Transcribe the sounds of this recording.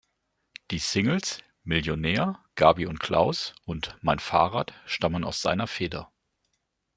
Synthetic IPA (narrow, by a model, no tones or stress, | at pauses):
d̥iːsɪŋl̩s | mɪljonɛːɐɡ̥aːbiʊntkʰl̥a̰ʊsʔʊntmaɪnfa̰ːʁaːtʃtaməna̰ʊsz̥a̰ɪnɐfeːdɐ